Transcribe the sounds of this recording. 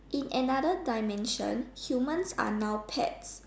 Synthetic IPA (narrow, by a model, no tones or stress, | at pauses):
ʔĩnɛnadədajmɛ̃nʃɔ̰̃nhjumə̃nsa̰nawpʰɛ̰ts